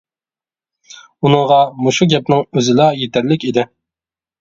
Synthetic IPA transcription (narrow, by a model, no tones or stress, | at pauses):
unɨŋʁɑmuʃuɡʲɛp̚nɪŋøzɪlɑjet̪ʰæɾlɪkʲed̪ɪ